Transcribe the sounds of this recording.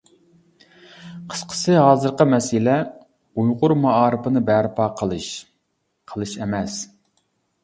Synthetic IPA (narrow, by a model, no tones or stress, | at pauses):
qʰə̥sqʰə̥sɨɦɑːzɨɾqəmɛsɪlɛ | ujʁʊɾmɑɑːɾɨpɨnɨbɛɾɪpʰɑqʰəlˠɨʃ | qʰəlˠɨʃɛmɛs